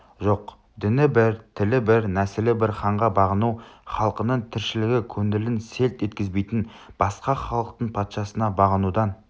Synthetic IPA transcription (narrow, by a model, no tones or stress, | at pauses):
ʒo̞q | d̪ɪnɪbɪɾt̪ʰɪlɪbɪɾnæsɪlɪbɪɾχɑɴʁɑbɑʁənuwχɑlˠqənəɴt̪ʰɪɾʃɪlɪɡʲɪkʲʰɵnd̪ɪlɪnse̞lt̪e̞t̪̚kʲɪzbe̞jt̪ɪn | b̥ɑsqɑχɑlˠəq̚t̪əɴpʰɑt̪ʃɑsənɑbɑʁənud̪ɑn